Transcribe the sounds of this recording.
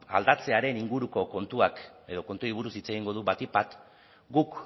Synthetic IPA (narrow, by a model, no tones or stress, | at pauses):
a̰ld̪at͡se̞aɾe̞niŋɡuɾuko̞ko̞nt̪uake̞ðo̞ko̞nt̪uaiβuɾusit͡se̞ɣiŋɡo̞ð̞uβat̪ipat̪ | ɡuk